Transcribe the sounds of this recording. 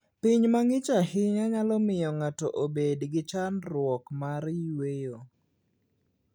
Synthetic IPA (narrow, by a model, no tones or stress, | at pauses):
pɪɲmaŋɪt͡ʃahɪɲaɲalɔmɪjɔŋatɔ̰ʔobedɡɪt͡ʃanɾwɔkmaɾjwejo